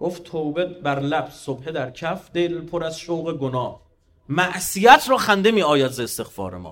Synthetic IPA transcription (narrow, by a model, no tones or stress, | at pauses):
ɡ̥oftt̪ʰowbet̪̚bæɾlæbz̥sobhe̞d̪æɾcʰæfd̪e̞lpʰoɾæzʃowɣe̞ɡonɒːh | mæʔsijæt̪ʰɾɒːxænd̪e̞miːɒːjæzeest̪e̞ɣfɒ̰ːɾḛmɒ̰ː